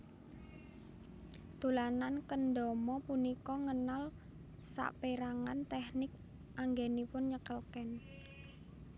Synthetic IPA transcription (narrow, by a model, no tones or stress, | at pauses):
t̪ulanankənɖɔmɔpunikɔŋənal | sa̰ʔpeɾaŋant̪ɛhnɪk̚ | ʔaŋɡenipʊnɲəkəlkɛn